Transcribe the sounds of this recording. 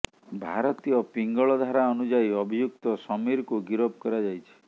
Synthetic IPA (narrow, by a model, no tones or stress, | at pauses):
bʱa̰ɾɔt̪ijɔpiŋɡɔɭɔd̪ʱaɾaɔnud͡ʒaiɔbʱijuk̚t̪ɔsɔmiɾkuɡiɾɔb̚kɔɾad͡ʒajt͡ʃʰi̥